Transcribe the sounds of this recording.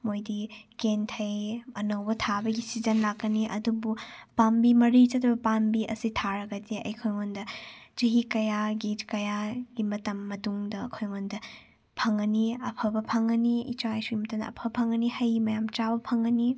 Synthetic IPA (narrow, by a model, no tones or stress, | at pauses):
mojdikentʰɐjɐnɐwbɐtʰabɐɡisizɐnlakːɐniʔɐ̰dubupambimɐɾit͡ʃɐtʰɐbɐpambiʔɐsitʰaɾɐɡɐdiɐ̰jkʰojŋondɐt͡ʃɐɦikɐjaɡitkɐjaɡ̥imɐtɐmːɐtuŋdɐːkʰojŋondɐ | pʰɐŋɐniɐpʰɐbɐpʰɐŋɐniḭt͡ʃajsuɡimɐtɐmdɐ̰ɐ̰pʰɐbɐpʰɐŋɐnihɐjimɐjamt͡ʃabɐpʰɐŋɐni